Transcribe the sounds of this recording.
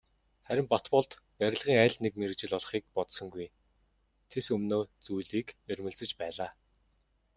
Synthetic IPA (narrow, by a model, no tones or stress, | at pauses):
χæɾʲɪ̆mpat̪pɔɮt̪ | pæɾʲɪ̆ɮʁiːŋæːɮt̪nekmeɾɘ̆kt͡ɕɪ̆ɮɔɮχiːk̚pɔt̪sɞ̆ŋɡuj | t̪ʰesɵmnoːt͡sujɮiːkeɾʲmɘ̆ɮt͡sɘ̆t͡ɕpæːɮaː